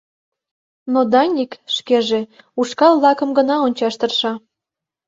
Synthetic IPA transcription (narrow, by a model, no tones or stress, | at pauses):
nod̪ɑnʲikʃkeʒe | uʃkɑlɑkə̆mɡənɑonʲt͡ɕɑʃt̪ə̆rʃɑ